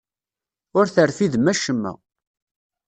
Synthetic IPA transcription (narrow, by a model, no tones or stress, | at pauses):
ʊɾθəɾfiðmæʃəmːæ̰